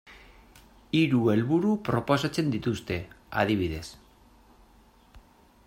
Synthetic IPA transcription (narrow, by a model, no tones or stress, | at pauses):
iɾue̞lβuɾupɾo̞posat͡se̞nd̪it̪ust̪e̞ | a̰ð̞iβiðe̞s